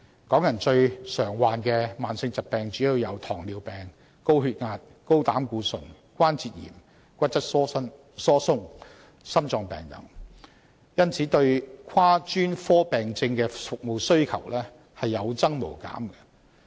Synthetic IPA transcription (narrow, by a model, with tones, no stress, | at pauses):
kɔː˨˥ŋjɐ˨˩nt͡ʃɵ˧ɥsœː˨˩ŋwaː˨nkɛː˧maː˨˩nsɪ˧ŋt͡sɐ˨t̚pɛː˨ŋt͡syː˨˥ji˧wjɐ˨˧wt̪ʰɔː˨˩ŋliː˨˧wpɛː˨˩ŋ | ko˥wɦyː˧t̚ŋaː˧t̚ | ko˥wt̪aː˨˥mkuː˧sɵ˨˩n | kʷaː˥nt͡siː˨t̚jḭː˨˩m | kʷɐ˥t̚t͡sɐ˥t̚ːn | sɔː˥sʊ˥ŋ | sɐ˥mt͡sɔː˧ŋpɛ̰ː˨ŋjɐ̰˨˩ŋ | jɐ˥nt͡sʰiː˨˥t̪ɵ˧ɥkʰaː˥t͡ʃyː˥nfɔː˥pɛː˨ŋt͡sɪ˧ŋkɛː˧fʊ˨k̚mo˨˧wsɵ˥ɥkʰɐ˨˩wlɛː˥ | hɐ˨jːɐ˨˧wt͡sɐ˥ŋmo̰˨˩wka̰ː˨˥mɡɐ̥˧